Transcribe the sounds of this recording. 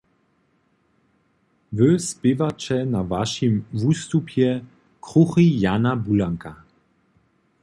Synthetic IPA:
vɪspɪvat͡ɕɛnavaʃimvust̪upjɛ | kɾuxijanabulaŋkʰa

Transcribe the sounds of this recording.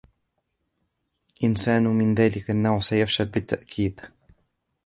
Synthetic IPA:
ʔɪnsaːnmɪnðaːlɪkanːawʕsajafʃalbɪt̪ːaʔkʰiːd̪

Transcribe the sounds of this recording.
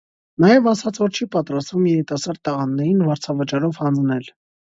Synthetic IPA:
nɑjɛvɑsɑt͡sʰvɔɾt͡ʃʰipɑt̪ɾɑst̪vumjɛɾit̪ɑsɑɾd̪ːɑʁɑnːɛɾinvɑɾt͡sʰɑvət͡ʃɑɾɔvhɑnd͡znɛl

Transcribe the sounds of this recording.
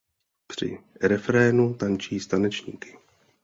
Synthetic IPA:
pr̝̥ɪ̰ɾɛfɾɛːnut̪ant͡ʃiːst̪anɛt͡ʃɲḭːkɪ̥

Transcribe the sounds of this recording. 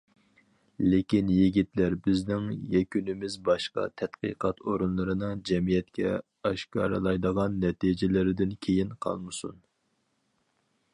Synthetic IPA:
lekʲinjiɡʲit̪læɾbɪznɪŋjɛkʲynɪmɪzbɑʃqɑ̰t̪ʰɛt̪qɨ̰qɑt̪oɾunlˠɾɨnɨd͡ʒɛmijɛt̪̚kʲʰɛ̰ | ɑʃkɑːɾɨ̰lˠɑjd̪əʁɑnːɛt̪ʰid͡ʒɪlɪɾɪd̪ɪnkʲʰejinqʰɑ̰lˠmɨsṵn

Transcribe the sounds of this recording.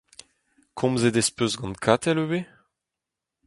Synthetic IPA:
kʰɔ̃mzed̪espøsɡɑ̃nkʰat̪ɛløve

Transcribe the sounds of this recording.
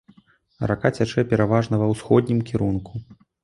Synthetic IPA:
rakat͡sʲat͡ʂɛpʲɛɾavaʐnɐvɐwsxɔd̪ʲnʲimkʲiɾunku

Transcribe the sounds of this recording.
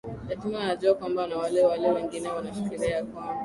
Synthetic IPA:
atimanaʄuakwambanawalɛwalɛwɛŋɡinɛwanaʃi̥kiɾiakwama

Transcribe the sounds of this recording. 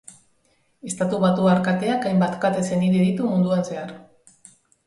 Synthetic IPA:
e̞st̪at̪uβat̪uaɾkat̪e̞akajmbat̪kat̪eseniɾeðit̪umund̪uanse̞aɾ

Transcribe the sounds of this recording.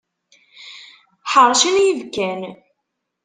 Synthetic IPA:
ħəɾˤʃænjivkæn

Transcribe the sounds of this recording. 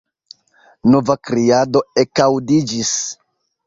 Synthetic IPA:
novakɾiado̞ekawdid͡ʒis

